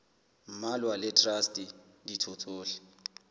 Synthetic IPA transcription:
m̩malwalɪtrastʼi | ditʰot͡sʼoːlɪ̥

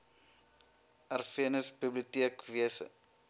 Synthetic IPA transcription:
ærfiənəsbibliutiəkviəsə̰

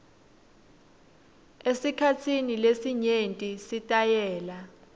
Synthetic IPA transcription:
esikʰat͡sʰinilesiɲentʼisitʼajɛːla

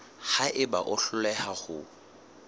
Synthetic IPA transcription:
haʔɪbaʔʊɬʊlɛhaχʊ̰

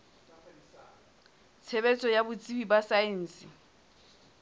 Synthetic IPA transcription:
t͡sʰebɛt͡sʼɔjabʊt͡sʼibibasaɛn̩ːsɪ

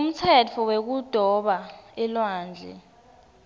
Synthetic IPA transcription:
um̩t͡sʰɛtʰɔwek̬ud̥ʱɔɓaɛlwaːnd͡ɮʱɛ̰

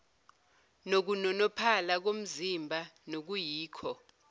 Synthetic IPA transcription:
nok̬unɔnɔpʰalak̬om̩zimbʱanok̬ujiːkʰɔ

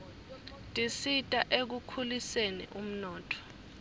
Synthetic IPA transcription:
tʼisitʼaʔek̬ukʰulisenḭʔum̩nɔːtʰɔ̥

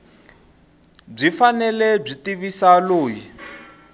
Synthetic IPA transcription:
b͡ʐifanɛlɛb͡ʐitiβisaloːji

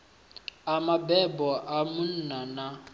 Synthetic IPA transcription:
amabɛbɔʔamʊn̩nana

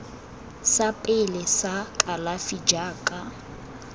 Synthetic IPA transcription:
sapʼɪlɪsakʼalafid͡ʒaːkʼa

